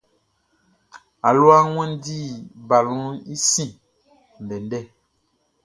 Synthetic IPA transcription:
a˨lwa˦ŋwɛ̃˦n˦di˦˨ba˨lũ˦i˦sĩ˦˨ | n˨dɛ˨ndɛ˦

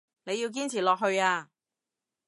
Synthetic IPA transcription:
ne˨˧ji˧wk̬iː˥nt͡sʰiː˨˩lɔː˨k̚ɦɵ˧ɥaː˧

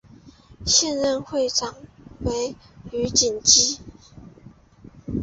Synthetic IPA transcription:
ɕjɛ˥˧nɻə˥˧nxwe˥˩ɪʈ͡ʂʰɑ˨˩ŋwe˧˥ɪy˧˥t͡ɕi˨˩nt͡ɕi˥

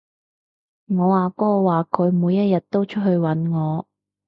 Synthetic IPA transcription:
ŋɔː˨˧waː˨˩kːɔː˦˥ɔ˧waː˨kʰɵ˨˧ɥmuː˨˧jːɐ˥t̚jɐ˨t̚t̪o˥wt͡ʃʰɵ˥t̚ɦhɵ˧ɥwɐ˨˥nŋɔː˨˧

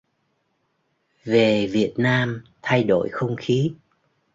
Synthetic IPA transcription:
ve˨˩vi˨˩ət̚naː˧mt̪ʰa˧jɗo̰˧˩˨jxə˧wŋ͡mxi˨˦

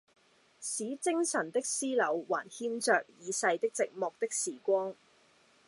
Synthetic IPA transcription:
siː˨˥t͡sɪ˥ŋsɐ˨˩nt̪ɪ˥k̚siː˥lɐ˨˧wwaː˨˩nhiː˥nt͡sœː˨k̚jiː˨˧sɐ˧jt̪ɪ˥k̚t͡sɪ˨k̚mɔː˨k̚t̪ɪ˥k̚siː˨˩kʷɔː˥ŋ

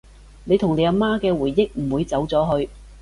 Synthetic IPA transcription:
ne˨˧jt̪ʰʊ˨˩ŋne˨˧jɐ˨˧maː˥kɛː˧wuː˨˩jːɪ˥k̚m̩˨˩wuː˨˧jt͡sɐ˨˥wt͡sɔː˨˥ɦɵ˧ɥ

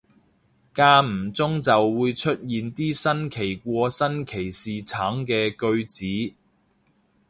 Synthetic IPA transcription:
kaː˧m̩˨˩t͡sʊ˥ŋt͡sɐ˨wːuː˨˧jt͡ʃʰɵ˥t̚jiː˨nt̪iː˥sɐ˥nkʰe˨˩jkʷɔː˧sɐ˥nkʰe˨˩jsiː˨t͡sʰaː˨˥ŋkɛː˧kɵ˧ɥt͡siː˨˥

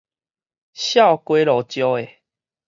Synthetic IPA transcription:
ɕja˥˨ʊkwe˦lɔ˨˩t͡ɕjɔ˦e˨

